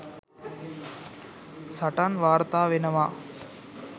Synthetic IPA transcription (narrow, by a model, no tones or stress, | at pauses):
sɐʈanʋaːɾt̪aːʋenɐʋa